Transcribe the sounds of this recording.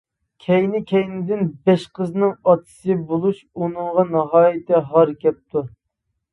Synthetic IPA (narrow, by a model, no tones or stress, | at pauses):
kʲʰɛjnɪkʲʰɛjnɪd̪ɪnbɛʃqəznɨŋɑt̪ʰɨ̥sɨbolˠuʃ | unɨŋʁɑnɑɦɑːjɪt̪ɛɦɑɾkʲɛp̚t̪u